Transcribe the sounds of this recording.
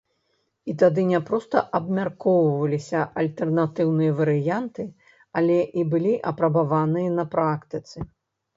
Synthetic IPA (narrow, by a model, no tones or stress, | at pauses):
it̪ad̪ɨnʲɛpɾɔst̪ɐʔɐbmʲarkɔwvɐlʲisʲɐɐlʲt̪ɛrnat̪ɨwnɨjɐvɐɾɨjant̪ɨ | alʲɛʔibɨlʲiʔɐpɾɐbavanɨjɐnɐpɾakt̪ɨt̪sɨ